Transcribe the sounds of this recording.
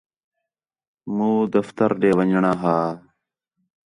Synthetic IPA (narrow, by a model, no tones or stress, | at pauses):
mũːd̪əft̪əɾɖeːʋəɲd͡ʑɳaːɦaː